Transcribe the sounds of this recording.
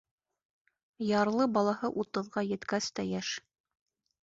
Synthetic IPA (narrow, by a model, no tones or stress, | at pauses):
jɑɾlˠɤbɑlˠɑhɤʔut̪ɤ̆ðʁɑjɘ̆t̪kæst̪æjæʃ